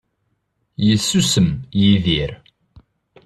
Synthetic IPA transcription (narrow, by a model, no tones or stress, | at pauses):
jəsːusəmjiðiɾ